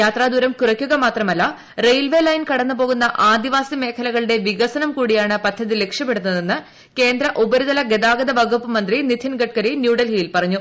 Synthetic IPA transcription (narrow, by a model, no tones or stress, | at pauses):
jaːt̪raːd̪uɾɐmkurɐkʲːuɣɐmaːt̪rɐmɐlːɐ | rejlʋeːlɐjnkɐɽɐnːɨpoːɣunːɐʔaːd̪iʋaːsime̞ːkʰɐlɐɣɐɭɨɽe̞ʋiɣɐsɐnɐmkuːɽijaːɳɨpɐd̪ʰʱːɐðile̞kʂjɐpːe̞ɽunːɐðe̞nːɨ | ke̞ːnd̪ɾɐʔubɐɾuðɐlɐɡe̞d̪aːɡɐd̪ɐbɐɡʱupːɨmɐnd̪rinit̪ʰːinɡɐʈ̚kɐɾinjuːɽɐlɦijilpɐrɐɲːu